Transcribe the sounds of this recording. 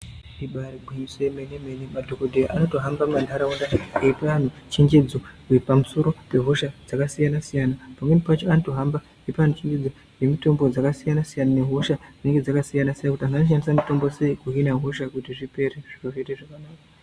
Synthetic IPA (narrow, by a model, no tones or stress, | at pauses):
diɓaɾibʱiɲisemeneme̞nemadʱokodʱejaʔano̞to̞ɦambamandʱaɾaundaeipan̤ut͡ʃe̞ŋɡe̞d͡zo̞wepamuso̞ɾo̞pe̞ɦo̞ʃad͡zakasijanasijanapamwenipat͡ʃoanoto̞ɦamba | epaan̤ut͡ʃe̞ŋɡe̞d͡zo | je̞mito̞mbo̞d͡zakasijanasijanane̞ɦo̞ʃad͡zine̞ŋɡed͡zakasijanasijanakutiɦananoʃandisamito̞mbo̞se̞ikuɦinaɦoʃakutiʐipe̞ɾeʐ̥iroʐeteʐakanaːka